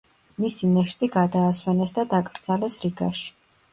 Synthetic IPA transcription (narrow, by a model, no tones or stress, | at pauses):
misinɛʃt̪ʼiɡad̪aːswɛnɛsd̪ad̪akʼɾd̪z̥alɛsɾiɡa̰ʃi̥